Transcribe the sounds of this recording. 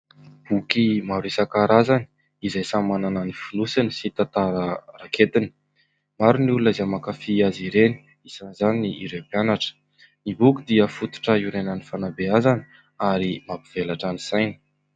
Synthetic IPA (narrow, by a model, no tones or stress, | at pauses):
b̥ukimaɾisakaɾazani̥ | izajsamanananifilusinisit̪at̪aɾəraket̪ini̥ | maɾunulunəzamakafiaziɾeni̥ | isanizaniniiɾepjanaʈ͡ʂə̥ | nibukʲid̪iəfut̪u̥ʈ͡ʂəiɾenanifanabeazani | aɾimapiv̥elaʈ͡ʂanisajni̥